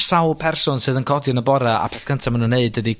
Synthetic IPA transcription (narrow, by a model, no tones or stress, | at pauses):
sawlˠpʰɛrsʊnsɨːðənkʰɔdjɔnəbɔɾaʔa̰pʰɛθkʰəntʰamanənːeɨdədi